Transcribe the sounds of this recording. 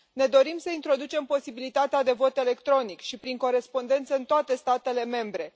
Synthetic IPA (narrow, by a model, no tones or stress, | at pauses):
ne̞d̪o̞ɾimsəint̪ɾo̞d̪ut͡ʃe̞mpo̞sibilit̪at̪ead̪e̞vo̞t̪e̞le̞kt̪ɾo̞nikʃipɾiŋko̞ɾe̞spo̞nd̪e̞nt̪səɨnt̪oat̪e̞st̪at̪e̞le̞me̞mbɾe̞